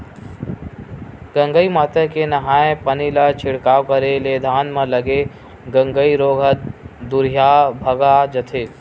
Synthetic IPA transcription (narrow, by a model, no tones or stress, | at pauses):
ɡɐ̃ŋɡəimaːt̪əkenɐɦaːẽpɐnilat͡ʃʰɪɽkaːwkəɾeleːd̪ʱaːnmɐ̃lɐɡe | ɡɐ̃ŋɡəiɾoːɡʱət̪̚d̪ʊɾjaːbʱɐɡaːd͡ʒɐt̪ʰeː